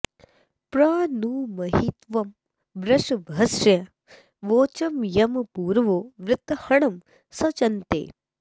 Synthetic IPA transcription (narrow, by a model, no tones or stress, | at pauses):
pɾaːnuːmɐɦit̪ʋɐm | bɾɐʃbʱɐsɐ | ʋoːt͡ʃɐmjɐmpuːɾʋoːʋɾɪt̪ːhɐɳɐm | sɐt͡ʃɐnt̪ḛː